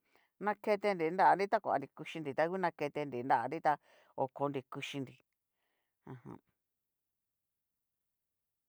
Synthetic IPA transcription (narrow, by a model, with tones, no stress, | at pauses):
nã˧ke˧t̪e˧ndi˨nd̪a˦ʔa˧ndĩ˦t̪a˦kʷa̰˨˧ndi˨ku˧ʃi˧ndi˨t̪a˧ku˦nã˧ke˧t̪e˧ndi˨nd̪a˦ʔa˧ndĩ˦t̪a˧ | o˨ko˧ndi˨ku˧ʃi˧ndi˨ | ã˧hã̰˧